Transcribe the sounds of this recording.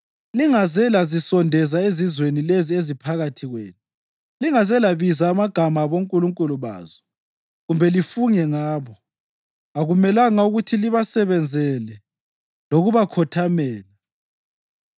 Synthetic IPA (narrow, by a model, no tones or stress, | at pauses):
liŋazɛlazisɔndʱɛzaezizwenileziezipʰaɣatʰiɣwḛːnu | liŋazɛlaβizaːmaɡ̥ʱamaβoŋkʼuluŋkʼuluβa̰ːzɔ̥ | ɣumbʱɛlifuŋɛŋaːβɔ | aɣumɛlaŋauɣutʰiliβasɛβɛnd͡zʱɛlɛ | loɣuβakʰɔtʰamɛːla